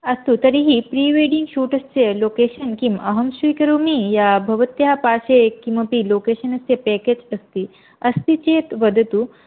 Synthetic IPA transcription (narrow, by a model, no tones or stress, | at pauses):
ɐst̪ut̪ɐɾiɦipɾiːʋeɖiŋɡʃuːʈɐst͡seloːkeːʃənkimɐɦɐmʃuikɐɾumijabʱɐʋɐt̪jaapaːʃekimʋɐpiloːkeːʃənɐst̪jepɛːked͡ʑɐst̪i | ɐst̪it͡ɕeːt̪ʋəd̪ʱt̪u